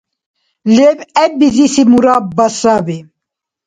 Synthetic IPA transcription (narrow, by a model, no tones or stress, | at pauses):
lebɛbizisimuɾabɐsabi